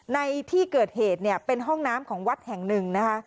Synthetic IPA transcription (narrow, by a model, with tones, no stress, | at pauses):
na˧jt̪ʰiː˥˩kɤː˨˩t̪̚heː˨˩t̪̚ni˥˩ɐpe˧nɦɔ˥˩ŋnaː˦˥mkʰɔː˩˦ŋwa˦˥t̪̚hɛ˨˩ŋnɯ˨˩ŋna˦˥kʰa˦˥